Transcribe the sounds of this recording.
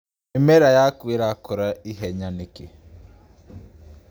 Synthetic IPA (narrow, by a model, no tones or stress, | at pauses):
imeɾajakwiɾakoɾaiɦɛɲaniki